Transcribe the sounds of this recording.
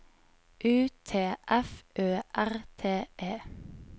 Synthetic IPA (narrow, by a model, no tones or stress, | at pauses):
ʔʉːt̪ʰeːʔɛfʔøːʔæʁt̪ʰeːʔeː